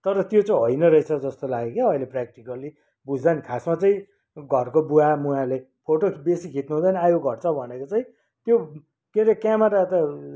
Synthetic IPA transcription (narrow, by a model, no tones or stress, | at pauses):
t̪ʌɾʌt̪jot͡sʌĩɦʌjnʌɾʌet͡sʰʌd͡zʌst̪olaɡekeʌileprak̚ʈikʌli | bud͡zd̪anikʰasmat͡saĩ | ɡʱʌrkobuamuãle | pʰoʈobesikʰit̪nuɦũd̪anʌajoɡʱʌrt͡sʰʌbʱʌnekot͡saĩ | t̪jo | keɾekjamaɾaet̪ʌ